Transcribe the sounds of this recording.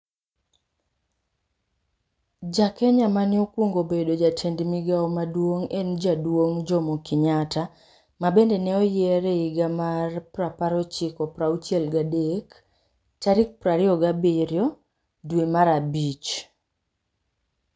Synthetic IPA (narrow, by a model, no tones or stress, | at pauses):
d͡ʒakɛɲamanɪɔkwoŋɡobedod͡ʒatʰendmiɡaɔmadwoŋend͡ʒadwoŋd͡ʒɔmokɪɲata | mabendɛnɛɔjɛɾɛiɡamarpɾapaɾɔt͡ʃɪkɔpɾaut͡ʃjɛlɡadek | t͡ʃaɾik̚pɾaɾɪɔɡabɪɾjɔ | dwemaɾabit͡ʃ